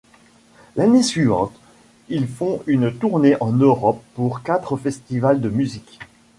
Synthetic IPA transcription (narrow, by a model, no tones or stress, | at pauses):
lanesɥivɑ̰̃t̪ | ilfɔ̃ynt̪uʁneʔɑ̃nøʁɔpːuʁkat̪χəfɛst̪ivald̪əmyzik